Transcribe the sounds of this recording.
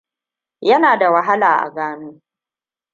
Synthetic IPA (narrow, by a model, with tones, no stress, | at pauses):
jɐ˦naː˨da˨wa˨ɦa˦laː˨ʔa̰˨ɡaː˦noː˦